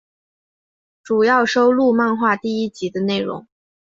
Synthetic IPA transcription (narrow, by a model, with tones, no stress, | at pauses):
ʈ͡ʂu˨˩jɑ˥˩ʊʂo˥ʊlu˥˧ma˥˧nxwa˥˧t̪i˥˩i˥t͡ɕi˧˥d̪ə˧ne˥˩ɪɻʊ̰˧˥ŋ